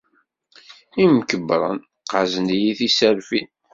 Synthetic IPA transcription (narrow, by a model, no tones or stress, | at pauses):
imkəbɾˤə̰n | qazənijiθisæɾfin